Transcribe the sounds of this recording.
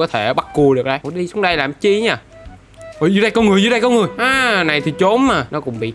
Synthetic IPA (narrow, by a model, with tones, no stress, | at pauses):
ɔ˨˦t̪ʰe˧˩ɓa˦˥t̚ku˨˩əɗɨ˨˩ək̚ɗə˧jɗi˧sʊ˨˦ŋɗə˧jlaː˨˩mt͡ɕi˧˦ɲaː˧˩ | ʔo˨˩jzɨ˨˦ɗə˧jkɔ˨˦ŋɨ˨˩əzɨː˨˦ɗə˧jkɔ˨˦ŋɨ˨˩əjʔaː˨˧na˨˩jt̪ʰi˨˩t͡ɕo˨˦mːaː˨˩nɔ˨˦kʊ̰˧˥ŋ͡mɓḭ˧˨